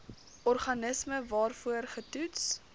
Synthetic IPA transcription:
ʔɔrχɐnəsməvɑːrfuərχətuts

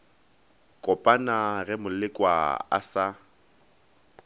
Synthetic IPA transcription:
kʼɔpʼanaɣɛmʊlɪkʼwa̰a̰sa

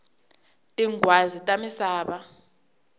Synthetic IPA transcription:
tʼiŋɡwazitʼamisaːɓa

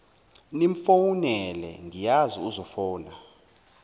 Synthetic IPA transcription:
niɱfowunɛlɛ̰ŋijaziuzɔfɔːna

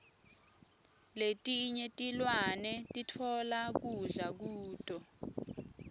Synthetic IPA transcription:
letʼiɲɛtʼilwanɛtʼitʰɔlak̬uzak̬uːtʼɔ

